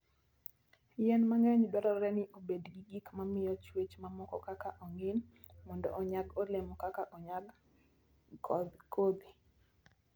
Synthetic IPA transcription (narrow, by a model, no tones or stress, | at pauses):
jɛnmaŋɛɲdwaɾɔɾɛnɪʔobedɡiɡikmamɪjɔt͡ʃwet͡ʃmamɔkɔ̰kakaʔoŋɪn | mɔndɔ̰ʔɔɲaɡolemɔkakaʔɔɲaɡ | kɔd̪kod̪i